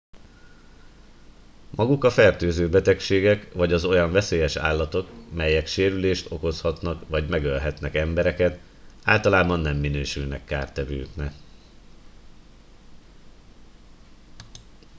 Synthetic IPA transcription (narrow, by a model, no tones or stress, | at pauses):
mʔɒɡukɒfɛrt̪øːzøːbɛt̪ɛkʃeːɡɛkʋɒɟɒzo̞jɒɱvɛseːjɛʃa̰ːlːɒt̪o̞kmɛjːɛkʃeːɾyleːʃt̪o̞̰ko̞shɒt̪nɒkvɒɟmɛɡølɦɛt̪nɛkɛmbɛɾɛkɛt̪ | a̰ːlt̪ɒlaːbɒnːɛmːinøːʃylnɛkːaːrt̪ɛvø̰ːknɛ